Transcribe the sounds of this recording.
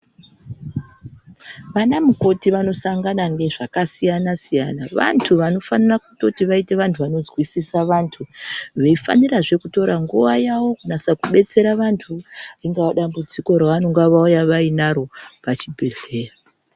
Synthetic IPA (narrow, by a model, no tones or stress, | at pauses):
ʋanamuko̞tiʋano̞saŋɡanaŋɡe̞ʐakasijanasijanaʋa̰ntʰuʋano̞fanarakuto̞tiʋaite̞ʋantʰuʋano̞zwisisaʋaːntʰuʋeifa̰niraʐe̞kuto̞ɾaŋɡuʋajawo̞kunasakuɓe̞t͡se̞ɾaʋantʰuariŋɡaaɗambud͡ziko̞ɾaʋano̞ŋɡaʋaujaʋainaɾo̞pat͡ʃibʱeɮe̞ːra